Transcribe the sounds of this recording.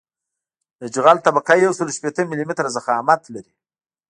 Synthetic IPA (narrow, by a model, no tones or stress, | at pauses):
d̪əd͡ʒɣalt̪abakajawsəloʃpet̪əmɪlimɪt̪ɾazaxɑmat̪laɾi